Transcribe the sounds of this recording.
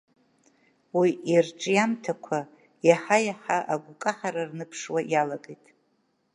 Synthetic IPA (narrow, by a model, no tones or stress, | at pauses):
wiʔirʈ͡ʂʼjamtʰakʷʰa | jaħajaħaʔaɡʷʊkʼaħaɾarnɨpʰʂwajalaɡʼejtʼ